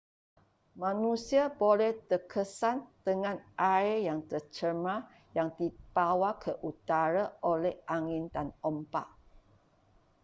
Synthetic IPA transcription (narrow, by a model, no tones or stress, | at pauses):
mãnusiabolɛht̪ərkʰəsand̪̥əŋãnʔaejaŋt̪ərt͡ʃəmã | jaŋdibawakʰəʔut̪aɾaʔolɛhʔaŋɪndanɔmpaʔ